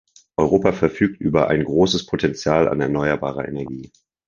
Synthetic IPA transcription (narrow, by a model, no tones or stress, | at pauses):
ʔɔʏʁoːpafɛɐfyːk̚tʔyːbɐʔa̰ɪnɡʁoːsəspʰotʰɛnt͡sjaːla̰nɛɐnɔʏɐba̰ːʁ̞ɐʔḛnɛɐɡiː